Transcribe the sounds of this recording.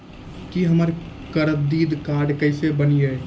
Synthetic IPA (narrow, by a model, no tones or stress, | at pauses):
kiɦəməɾkəɾəd̪iːd̪kaːɾɖkəɪsebənije